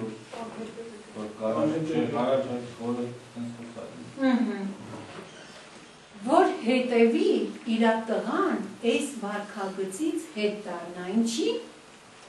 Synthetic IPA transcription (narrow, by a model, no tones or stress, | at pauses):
vɔɾkɑɑɛt͡ʃɛɑrɑt͡ʃʰɑj̪χɔɾət̪ɛnt͡sʰχəsɑ̰kɛ̰əɦ̩ | vɔɾhɛt̪ɛviːɾɑt̪əʁɑnɛsvɑɾkʰɑɡət͡sit͡sʰhɛt̪d̪ɑɾnɑjnt͡ʃʰi